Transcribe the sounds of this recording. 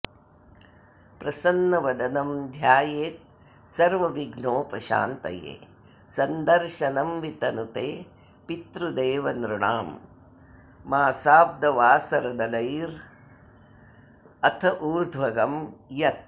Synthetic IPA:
pɾɐsɐnːɐʋɐd̪ɐnɐmd̪ʱjaːjeːt̪̚ | sɐɾʋɐʋiɡnoːpɐʃa̰ːnt̪ɐ̰jḛː | sɐnd̪ɐɾʃɐnɐmʋit̪ɐnut̪eː | pit̪ɾud̪eːʋɐnɾuɳa̰ːm | aːsaːb̚d̪ɐʋaːsɐɾɐd̪ɐlɐjɾ | ɐt̪ʰɐʔuːɾd̪ʱʋɐɡɐmjɐt̪̚

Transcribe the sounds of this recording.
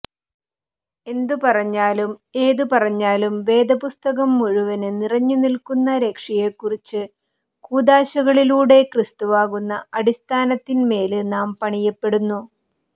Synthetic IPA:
e̞nd̪upɐrɐɲːaːlume̞ːðupɐrɐɲːaːlumʋe̞ːd̪ɐpust̪ɐɣɐmːuɻuʋɐnɨnirɐɲːunilkunːɐɾe̞kʂɐjekːurit͡ɕːɨ | kuːd̪aːɕɐɣɐɭiluːɽe̞krist̪uʋaːɣunːɐɐɽist̪ʰaːnɐt̪ːinme̞ːlɨnaːmpɐɳijɐpːe̞ɽunːu

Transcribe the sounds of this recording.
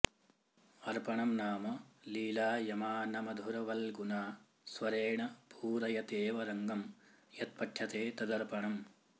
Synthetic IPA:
ɐɾpɐɳɐmnaːmɐliːlaːjɐmaːnɐmɐd̪ʱuɾɐʋɐlɡunaː | sʋɐɾeːɳɐpʰuːɾɐjɐt̪eːʋɐɾɐŋɡɐmjɐt̪̚pɐʈʰjɐt̪eːt̪ɐd̪ɐɾpɐɳɐm

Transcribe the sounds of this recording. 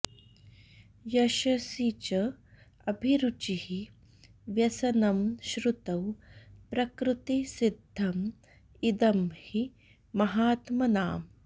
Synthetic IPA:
jɐʃɐsit͡ʃɐ | ɐbʱiɾut͡ʃihi | ʋjɐsɐnɐmʃɾut̪ɐwpɾɐkɾut̪isid̪ʱːɐm | id̪ɐmhi | mɐɦaːt̪mɐnaːm

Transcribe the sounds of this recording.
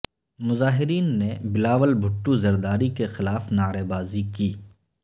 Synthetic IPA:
mʊzaːɦɪɾiːnːebɪlaːʋəlbʱʊʈːuzɐɾd̪aːɾikexɪlaːfnaːɾeːbaːzikiː

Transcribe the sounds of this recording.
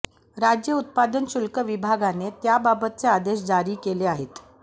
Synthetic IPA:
ɾad͡ʑjəut̪̚pad̪ənɕulkəʋibʱaɡanet̪jababət̪̚t͡sead̪eɕd͡zaɾiːkeleaɦet̪

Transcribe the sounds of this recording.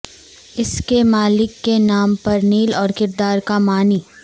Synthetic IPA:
ɪskemaːlɪkːenaːmpɐɾniːlɔːɾkɪɾd̪aːɾkamaːniː

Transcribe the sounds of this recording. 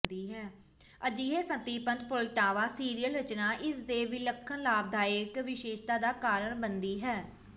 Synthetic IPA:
d̪iːɦɛː | əd͡ʒiːɦeːsət̪iːpənt̪̚pʊlʈaːʋaːsiːɾijəlɾət͡ʃnaːʔɪsd̪eːʋiːləkʰːənlaːb̚d̪aːɪkʋɪʃeːʃt̪aːd̪aːkaːɾəɳbənd̪iːɦɛː

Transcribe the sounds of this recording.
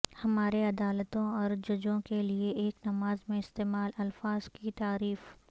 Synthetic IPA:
hɐmaːɾeɐd̪aːlət̪õɔːɾd͡ʒɐd͡ʒõkelieʔeːknɐmaːzmẽɪst̪eːmaːlɐlfaːz̥kit̪aːɾiːf

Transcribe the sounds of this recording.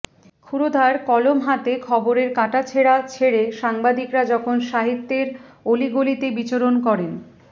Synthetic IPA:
kʰuɾod̪ʱaɾkɔlomɦat̪ekʰɔboɾeɾkaʈat͡ɕʰeɽat͡ɕʰeɽeʃaŋbad̪ikɾad͡ʑɔkʰonʃaɦit̪ːeɾoliɡolit̪ebit͡ɕoɾonkɔɾen

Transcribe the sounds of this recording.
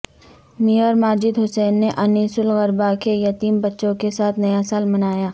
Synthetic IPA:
mijəːɾmaːd͡ʒɪd̪ɦʊsɛːnːeʔɐniːsʊlɣɐɾbakejɐt̪iːmbɐtːʃõkesaːt̪ʰnɐjasaːlmɐnaːjaː

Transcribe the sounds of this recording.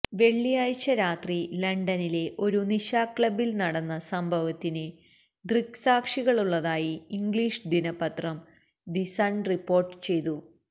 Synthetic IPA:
ʋe̞ɭːijaːjt͡ɕːɐɾaːt̪rilɐɳɖɐnile̞ʔo̞ɾuniɕaːkɭɐbilnɐɽɐnːɐsɐmbʱɐʋɐt̪ːinɨ | ɖriksaːkʂiɣɐɭuɭːɐðaːjiːŋɡɭiːʂd̪inɐpːɐt̪rɐm | disɐɳɖripːo̞ːrʈːɨ̥t͡ɕe̞jt̪u

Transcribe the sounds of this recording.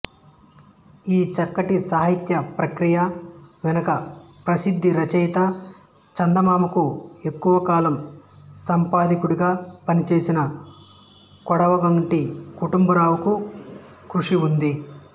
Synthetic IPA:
iːt͡ʃɐkːɐʈisaːɦit̪jɐpɾɐkɾijɐʋɛnɐkɐpɾɐsid̪ʱːiɾɐt͡ʃɛjt̪ɐ | t͡ʃɐnd̪ɐmaːmukue̞kːuʋɐkaːlɐmsɐmpaːd̪ikuɽuɡaːpɐnit͡ʃe̞ːsinɐ | kɔɽɐʋɐɡɐɳʈikuʈumbɐɾaːʋuku | kɾuʂiund̪i

